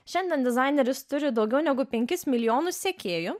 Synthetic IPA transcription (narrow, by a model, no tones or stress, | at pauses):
ʃʲɛnʲd̪ʲɛnd̪ʲɪzɑˑɪnʲɛɾʲɪst̪ʊɾʲɪd̪ɒʊɡʲɛʊnʲɛɡʊpʲɛŋʲkʲɪsmʲɪlʲɪjoːnʊsʲsʲeːkʲeːjʊ